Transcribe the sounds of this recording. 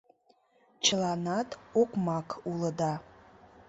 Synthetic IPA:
t͡ʃʰlanatʰʼokʷmakʰʼuləda

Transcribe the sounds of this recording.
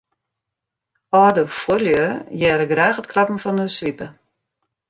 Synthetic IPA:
ɔːdəfwoljəjɛːɾəɡrɛːxətkʰlapn̩fɔnəsʋipə

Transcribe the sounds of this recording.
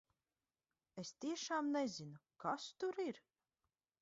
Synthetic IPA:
est̪iɛʃaːmnɛzinukast̪uɾiɾ

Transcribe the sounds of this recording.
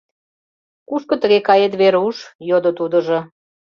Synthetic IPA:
kuʃkɤ̆t̪əɣekɑjet̪̬βeɾuʃjod̪ot̪ud̪ə̆ʒo

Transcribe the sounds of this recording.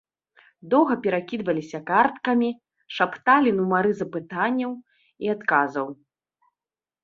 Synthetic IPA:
d̪ɔwɣɐpʲɛɾakʲid̪vɐlʲisʲɐkart̪kɐmʲi | ʂapt̪alʲinumaɾɨzɐpɨt̪anʲːɐw | iat̪kazɐw

